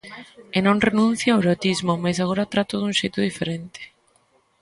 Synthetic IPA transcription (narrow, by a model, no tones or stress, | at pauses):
enõŋrenũn̟θjaaweɾot̪izmomasaɣ̞oɾat̪ɾat̪ʊðuŋʃejt̪ʊðifeɾent̪e̥